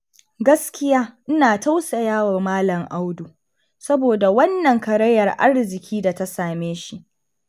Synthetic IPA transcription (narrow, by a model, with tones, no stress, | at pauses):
ɡɐ˦skʲɪ˦jaː˦ʔɪ˦naː˨ta˦wsɐ˨jaː˦waː˨maː˦lɐ˨ŋʔa˦wdu˨ | sɐ˦boː˨da˨wɐ˦nːɐ˨ŋkɐ˨ɾɐ˦jːɐ˨rʔa̰˦rzɪ˨kʲʰiː˦da˨ta˦saː˨meː˦ʃi˦ʔ